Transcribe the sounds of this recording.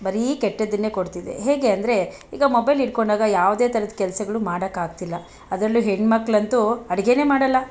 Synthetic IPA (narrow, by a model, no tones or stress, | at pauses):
bɐɾiːkɛʈːɐd̪ːinːeːko̞ɽt̪id̪ḛɦe̞ːɡe̞ɐnd̪ɐɾe̞ | ḭːɡɐmobɐjliɽko̞ɳɖaːɡɐjaːʋd̪e̞ːt̪ʰɐɾɐd̪ɐkɛlɐsɐɡɐɭumaːɽɐkːaːɡt̪ilːɐ | ɐd̪ɾɐlːuɦeɳɖmɐkːɭɐnt̪uɐɽɡe̞ne̞ːmaːɽɐlːɐ